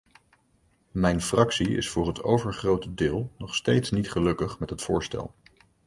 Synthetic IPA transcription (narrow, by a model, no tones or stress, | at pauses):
mɛjnfrɑksiɪ̰sfʊːɹɦətʰowvəɹχrowtədɪːlˠnɔχstejtsnitχəlɵkəχmɛtɦətfʊːɹstɛ̰lˠ